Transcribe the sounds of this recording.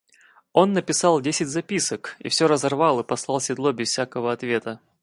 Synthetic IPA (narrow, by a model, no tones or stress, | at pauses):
o̞nːəpʲɪsɑlˠdʲesʲɪdʲzɐpʲisəkḭfsʲɵɾəzɐrvɑlˠɨpɐslˠɑlˠsʲɪd̪lˠobʲɪsfsʲakəvəɐt̪vʲe̞t̪ə